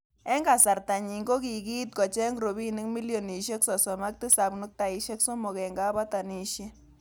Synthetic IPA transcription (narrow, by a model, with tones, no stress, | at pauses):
ɛ˦ŋɡa˨sa˨rta˨ɲi˨ŋɡo˦ki˨ki˦t̚kɔ˨t͡ʃɛ˦ŋɾo˨bi˦ni˦kmi˦ljo˨ni˨ʃje˦ksɔ˨sɔ˨ma˦k̚ti˦sa˨pnʊ˦k̚ta˨i˨˦ʃe˦kso˦mɔ˨kɛ˨ŋɡa˦ba˦ta˨ni˨ʃe˦